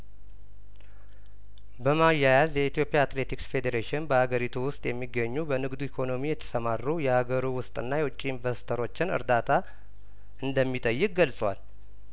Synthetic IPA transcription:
bəmajːajazjɛit̪ʰijo̞pʼjaːt̪le̞t̪ʰiksfe̞d̪eɾeʃɪnbəhaɡəɾit̪ʰuwʊst̪ʼjɛmːiɡːəɲːubənɨɡd̪uikʰo̞no̞mijɛt̪ʰə̥səmarːujɛhaɡəɾuwʊst̪ʼɨnːajɛwʊt͡ʃʼːiːnvəsi̥t̪ʰəɾo̞t͡ʃːɪnɨ̰ɾd̪at̪ʰa | ɨnd̪əmːit̪ʼəjːɨk̚ʼɡəlsʼwa̰l

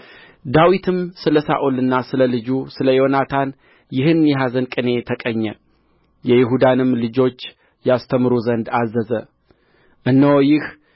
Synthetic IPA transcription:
d̪awit̪ʰɨmsɨləsa̰ʔolɨnːasɨləlɨd͡ʒusɨləjo̞nat̪ʰan | jɪhɨnjɛɦazənkʼɨne̞t̪ʰəkʼəɲːɛ | jɛjɪɦud̪anɨmlɨd͡ʒo̞t͡ʃː | jast̪ʰəmɨɾuzənd̪azːəzə | ʔɨnːəwjɪh

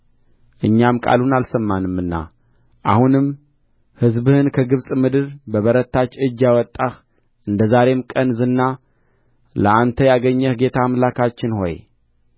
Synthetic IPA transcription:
ʔɨɲːamkʼa̰lunalsəmːanɨmːɨnːa̰ | ʔahunɨm | hɨzbɨhɨnkʰəɡɨβsʼmɨd̪ɨɾbəβəɾət̪ʰːat͡ʃɨd͡ʒːjawɔt̪ʼːax | ʔɨnd̪əzaɾe̞mkʼənzɨnːa | lə̰ʔant̪ʰəjaɡəɲːəhɡe̞t̪ʰamlakʰat͡ʃːɪnho̞̰j

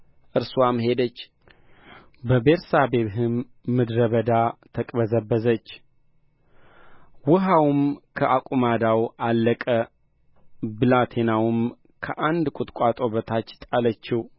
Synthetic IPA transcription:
ʔɨɾswamhe̞d̪ət͡ʃː | bəbeɾsabe̞βɦɨmː | ɨd̪ɾəβəd̪at̪ʰəkʼbəzəbːəzət͡ʃː | wʊɦawmkʰəʔakʷʼumad̪awalːəkʼə | bɨlat̪ʰe̞nawʊm | kʰəʔand̪kʷʼʊt̪ʼkʼat̪ʼoβət̪ʰat͡ʃːt̪ʼalət͡ʃːɪw

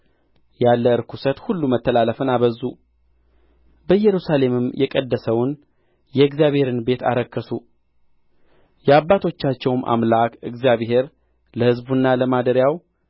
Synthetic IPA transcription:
jalːəɨɾkʰusət̪hulːumət̪ːəlaləfɨnaβəzu | bəjɛɾusale̞mɨmjʔɛkʼəd̪ːəsəwn | jɛɨɡzijaβhe̞ɾɨnbe̞t̪a̰ɾəkʰːəsu | jɛabːat̪ʰo̞t͡ʃːat͡ʃːɛwmʔa̰mlakɨɡzjaβɦe̞ɾ | ləhɨzbunːaləmad̪əɾjaw

